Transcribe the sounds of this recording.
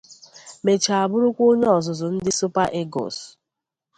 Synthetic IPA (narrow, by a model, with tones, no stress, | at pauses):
me˨t͡ʃa˨a˨bʊ˦ɾʊ˦kʷo˦ɲe˦ɔ˨zʊ˨zʊ˨n̩˦dɪ˦sʊ˦pa˦ʔe˦ɡɔ̰˨s